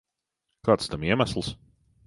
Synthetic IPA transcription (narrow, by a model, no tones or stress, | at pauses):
kɑːt̪st̪amiɛmæsl̩ˠs